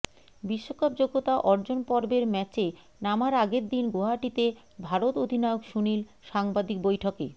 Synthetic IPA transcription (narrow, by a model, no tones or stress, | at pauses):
biʃːokap̚d͡ʑoɡot̪aʔɔɾd͡ʑonpɔɾbeɾmɛt͡ɕe | namaɾaɡeɾd̪inɡoɦaʈit̪e | bʱaɾot̪od̪ʱinɔeokʃunilʃaŋbad̪ik̚bojʈʰokḛ